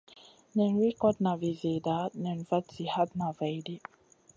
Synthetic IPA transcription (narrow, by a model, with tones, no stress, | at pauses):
nɛ˨nɹi˦kɔ˦dna˨vi˨ze˨da˨˦nɛ̃˨nva˦tsi˨ha˦d̚na˨va˨jdi˦